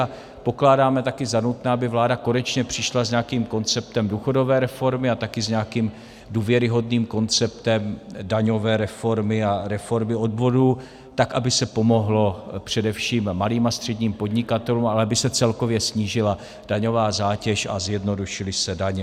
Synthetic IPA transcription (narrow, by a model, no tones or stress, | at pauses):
a | po̞klaːdaːmɛt̪akɪzanut̪naːabɪvlaːdako̞nɛt͡ʃɲɛpr̝̥ɪʃlazɲaakiːmko̞nt͡sɛp̚t̪ɛmduːxo̞do̞vɛːɾɛfo̞ɾmɪat̪akɪzɲaakiːm | duːvjɛɾɪɦo̞dniːmko̞nt͡sɛp̚t̪ɛmdaɲo̞vɛːɾɛfo̞ɾmɪaɾɛfo̞ɾmɪo̞dvo̞duː | t̪akʔabɪsɛpo̞mo̞ɦlo̞pr̝̥ɛdɛfʃiːmːaliːmast̪r̥ɛdɲiːmpo̞dɲɪkat̪ɛluːmalɛabɪsɛt͡sɛlko̞vjɛsɲiːʒɪla | d̥aɲovaːzaːcɛʃa̰zjɛdno̞duʃɪlɪsɛdaɲɛ